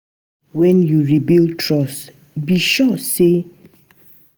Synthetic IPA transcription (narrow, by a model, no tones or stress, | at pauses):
wɛ̃njuɹibiltʰɹɔs | biʃɔse